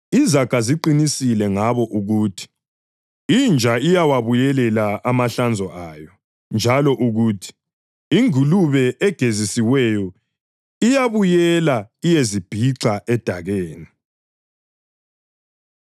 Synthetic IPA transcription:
izakaziǃinisilɛŋaβɔʔuɣuːtʰi̥ | ind͡ʒʱaijawaβujɛlɛlaʔamaɬand͡zʱɔʔaːjɔ | nd͡ʒʱalɔʔuɣuːtʰi̥ | iŋuluβɛʔɛɡ̥ʱezisiwɛjɔ | ijaβujɛlaijezib̥ʱiǀaʔɛd̥ʱaɣeːni

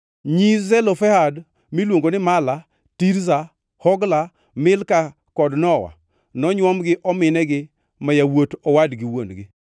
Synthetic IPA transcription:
ɲizɛlɔfɛhad | milwoŋɡonɪmala | tiɾza | hɔɡla | mɪlka | kɔdnɔwa̰ | nɔɲwɔmɡɪʔɔmɪnɛɡɪ | majawotɔwadɡɪwonɡɪ

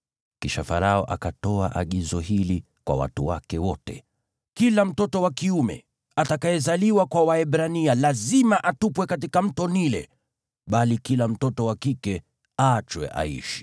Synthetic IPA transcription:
kiʃafaɾaɔʔakatɔa̰ʔaɠizɔhili | kwa̰wa̰tuwakɛwɔtɛ̰ | kilam̩tɔtɔwakiumɛ̰ | atakaɛzaliwakwawaɛɓɾanialazimaʔatupwɛkatikam̩tɔnilɛ̰ | ɓalikilam̩tɔtɔwakikɛ | at͡ʃwɛ̰ʔa̰ḭʃi̥

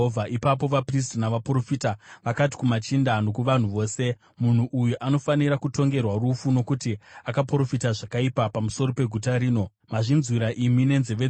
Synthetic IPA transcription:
vʱaʔipapo̞ʋapris̬tnaʋapro̞fitaʋakat̬i̥kumat͡ʃindano̞kuʋan̤uʋo̞ːse̞ | mun̤uʔujuʔano̞faniɾakuto̞ŋɡe̞rwarufuno̞kutiakapro̞fitaʐakaipapamuso̞ɾo̞pe̞ɡʱutaɾiːno̞ | maʐinzwiɾaʔimine̞nzeʋe

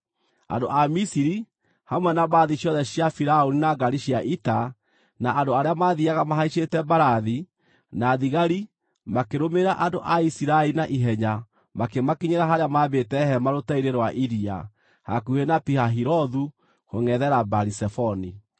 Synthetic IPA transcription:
a̰ndoʔamisiɾi | hamwɛnabaðiɕjɔðɛɕjafiɾaoninaɡaɾiɕiaʔita | naʔandoaɾeamaðiaɣamaɦaiʃetɛbaɾaði | naðiɣaɾi | makeɾomeɾaʔandoʔaisiɾaeɾinaʔiɦɛɲa | makemakiɲeɾaɦaɾeamaβetɛhɛmaɾotaiɾeɾwaʔiɾia̰ | hakuhenapihaɦiɾɔðu | hoŋɛðɛɾabaɾisɛfɔni

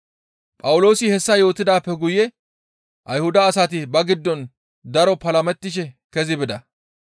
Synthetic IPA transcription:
pʼɐwʊlo̞ːsɪhɛsːɐjo̞ːt̪ːɪd̪aːpːɛɡʊjɛ | ʔɐjhʊd̪ɐːsɐt̪ɪbɐɡɪd̪ːɔn | d̪ɐɾɔpɐlɐmɛt̪ːɪʃ̬ɛkɛzɪbɪd̪ɐ

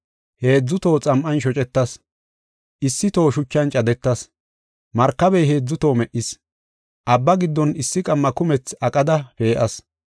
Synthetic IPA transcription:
he̞ːd͡zːʊt̪o̞ːt͡sʼɐmʔɐnʃɔt͡ʃʼɛt̪ːɐs | ʔɪsːɪt̪o̞ːʃʊt͡ʃːɐnt͡ʃʼɐd̪ɛt̪ːɐs | mɐɾkːɐbɛjɦe̞ːd͡zːʊt̪o̞ːmɛʔɪs | ʔɐbːɐɡɪd̪ːɔnɪsːɪkʼɐmːɐkʊmɛt͡sɐkʼɐd̪ɐpe̞ːʔɐs

